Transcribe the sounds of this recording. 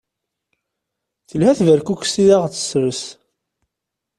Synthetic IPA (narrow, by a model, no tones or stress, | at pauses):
θəlhæθvəɾkukʷsiðaʁt͡sːə̥sɾəs